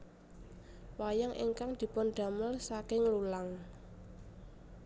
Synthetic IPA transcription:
wajaŋʔḭŋkaŋd̪̥i̤pɔnɖ̪̥a̤məlsakɪŋlulaŋ

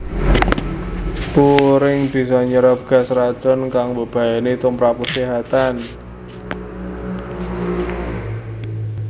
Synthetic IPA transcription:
puɾɪŋb̥i̤sɔɲəɾəp̚ɡ̥a̤srḁt͡ʃɔnkaŋbə̤b̥a̤janet̪umpɾapusiɦat̪an

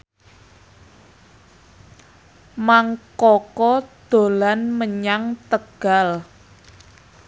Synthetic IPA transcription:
maŋkɔkɔd̪̥o̤lanməɲaŋt̪əɡ̥a̤l

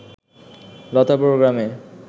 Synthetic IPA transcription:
lɔt̪apɾoɡɾame

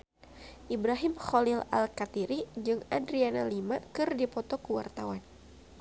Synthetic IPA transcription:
ʔibɾaɦimxolila̰lkat̪iɾid͡ʒɨŋadɾianalimakɨrdipɔt̪ɔkuwa̰rt̪awan

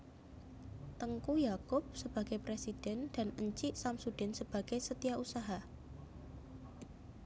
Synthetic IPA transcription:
t̪əŋkujakʊp̚səb̥a̤ɡ̥epɾesid̥ɛ̤nd̥a̤nəɲt͡ʃiʔsamsud̥ɛ̤nsəb̥a̤ɡ̥esət̪ijausaɦa

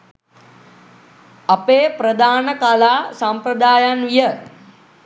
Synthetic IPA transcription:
apeːpɾəd̪aːnəkalaːsampɾəd̪aːjanʋijə

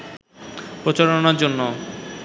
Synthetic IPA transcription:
pɾot͡ɕaɾonaɾd͡ʑonːo

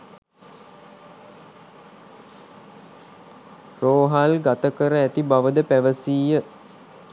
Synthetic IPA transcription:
roːɦalɡat̪əkəɾəæt̪ibaʋəd̪əpæʋəsiːjə

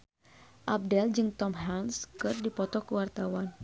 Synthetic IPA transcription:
ʔab̚dɛld͡ʒɨŋt̪ɔmɦanskɨrdipɔt̪ɔkəwart̪awan

